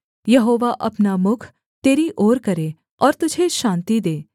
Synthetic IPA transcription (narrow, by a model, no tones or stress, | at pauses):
jɐɦoːʋaʔɐpnamʊkʰ | t̪eːɾiʔoːɾkɐɾe | ɔːɾt̪ʊd͡ʒʱeʃãːnt̪id̪eː